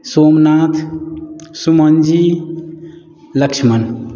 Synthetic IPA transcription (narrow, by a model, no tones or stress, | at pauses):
soːmnaːt̪ʰ | sumənd͡ʒi | ləkt͡ʃʰmɐn